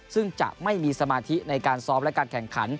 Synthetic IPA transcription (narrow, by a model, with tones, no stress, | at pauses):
sɯ˥˩ŋt͡ɕa̰˨˩ʔma˥˩jmiː˧sa˧maː˧t̪ʰi˦˥na˧jkaː˧nsɔː˦˥p̚lɛ˦˥kaː˧nkʰɛ˨˩ŋkʰa̰˩˦n